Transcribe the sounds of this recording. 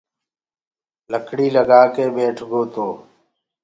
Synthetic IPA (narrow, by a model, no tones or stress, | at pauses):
ləkʰɽiːləɡaːkeːbeːʈʰɡoːt̪oː